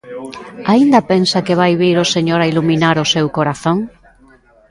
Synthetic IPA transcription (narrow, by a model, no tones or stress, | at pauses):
aind̪apensakɪβ̞ajβiɾʊseɲoɾailumĩnaɾʊsewkoɾaθõŋ